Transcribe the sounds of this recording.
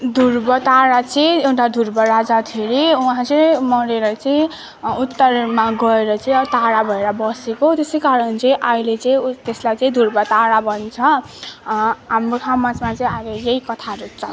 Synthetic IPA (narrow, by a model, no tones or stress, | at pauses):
d̪ʱurbʌt̪aɽat͡sʌĩewʈad̪ʱurbʌɾad͡zat̪ʰeɾiuɦãt͡sʌmʌɾeɾʌt͡sʌĩ | ut̪ːʌrmaɡʌeɾʌt͡sʌĩʌt̪aɽabʱʌeɾʌbʌsekot̪esʌjkaɾʌnt͡sʌĩʔʌilet͡sʌĩt̪eslajt͡sʌĩd̪ʱurbʌt̪aɽabʱʌnt͡sʰʌ | ɦamrokʰamːasmat͡sʌĩaɾejejkʌt̪ʰaɾut͡sʰʌ̰